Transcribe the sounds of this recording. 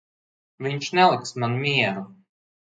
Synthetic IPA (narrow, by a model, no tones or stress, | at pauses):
vʲiɲt͡ʃnʲɛlˠiksmanmʲiɛɾu